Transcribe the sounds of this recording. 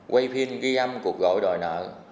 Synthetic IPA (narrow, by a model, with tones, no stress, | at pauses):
ɣwa˧jfʰi˧ənɣi˧ʔa˧mku˨˩ək̚ɣo̰˧˥jɗo̰˨˩jnə̰ː˧˨